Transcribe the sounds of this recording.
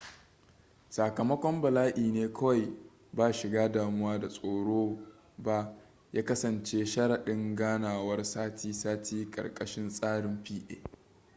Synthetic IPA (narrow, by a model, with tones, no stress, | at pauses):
saː˨kɐ˨mɐ˦kʷɔ˦mbɐ˨laː˦ʔiː˨neː˦kʰɐ˦wa˨j | baː˦˨ʃɪ˨ɡaː˦daː˨mʊ˦waː˦da˨sʼoː˨ɽoː˦ | ba˦ | jaː˦kɐ˦sɐ˨nt͡ʃeː˦ʃɐ˦ɽa˨ɗɪ˦ŋɡaː˦naː˨wɐ˦rsaː˦tiː˦saː˦tʰiː˦kʼɐ̰˨rkʼɐ˦ʃɪ˦nsʼaː˦ɽɪ˨mɸiː˦ʔḛː˦